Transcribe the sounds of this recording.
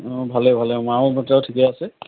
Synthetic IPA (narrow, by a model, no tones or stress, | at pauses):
bʱalɛbʱalɛmabʱɔtawtʰikɛasɛ